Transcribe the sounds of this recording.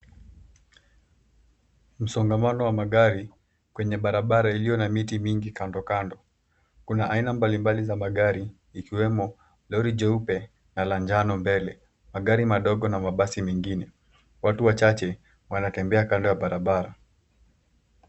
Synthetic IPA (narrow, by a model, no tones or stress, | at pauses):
m̩sɔŋɡamanɔwamaɠaɾi | kwɛɲɛɓaɾaɓaɾailijɔnamitimiŋɡikandɔkandɔ | kunaʔainambalimbalizamaɠaɾiː | kiwɛmɔ | lɔɾid͡ʒɛupɛ | naland͡ʒanɔmbɛlɛ | maɠaɾimaɗɔɠɔnamaɓasimɛŋɡinɛ | watuwat͡ʃat͡ʃɛ | wanatɛmbɛakandɔjaɓaɾaɓaɾa